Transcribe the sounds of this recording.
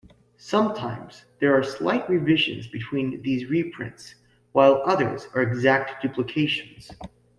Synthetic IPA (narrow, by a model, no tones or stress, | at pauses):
sʌ̃mtʰãɪ̃mz̥ðə˞ɑɹsla̰ɪt̚ɹivɪʒɨ̰̃nzbɨtʰw̥ĩnðizɹipʰɹ̥ɪ̰̃nts | waɪlˠʌðə̰˞zə˞ɨɡzæk̚td̥ʉpʰləkʰeɪʃɨ̃n̩z̥